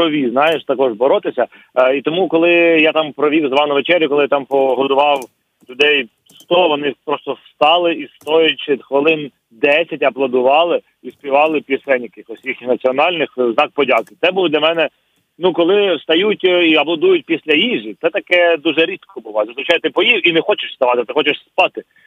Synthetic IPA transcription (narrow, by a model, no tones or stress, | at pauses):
pɾɔʋʲiznɑjɪʃt̪ɐkɔʒbɔɾɔt̪ɪsʲɐ | it̪ɔmukɔlˠɪjat̪ɑmpɾɔʋʲiwzʋɑnɐʋet͡ʃɛɾʲjʊkɔlˠɪjat̪ɑmpɔɦɔd̪ʊʋɑw | lʲʊd̪ɛj | st̪ɔʋɔnɪpɾɔst̪ɔst̪ɑlˠɪist̪ɔjʊt̚ʲt͡ʃid̪xʋɪlˠɪn | d̪ɛsʲɐtʲɐblˠɐd̪ʊʋɑlˠɪ | ispʲiʋɑlˠɪpʲisɛnʲkɪxkɔsʲixʲnɐt͡sʲiɔnɑlʲnɪxznɑk̚pɔdʲakɪt̪sɛbuwd̪lʲɐmɛnɛ | nukɔlˠɪst̪ɐjutʲiɐplˠɐd̪ujʊt̚ʲpʲisʲlʲɐjiʒit̪ɛt̪ɐkɛd̪uʒɛɾʲit̪kʰɔbʊlˠɔzɐzɾʊt͡ʃajɛt̪ɪpɔjiwinɛxɔt͡ʃɪʃst̪ɐʋɑt̪ɪt̪ɪxɔt͡ʃɪʂspɑt̪ɪ